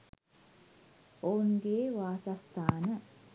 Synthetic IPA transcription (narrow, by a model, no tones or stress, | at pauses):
ounɡeːʋaːsast̪ʰaːnə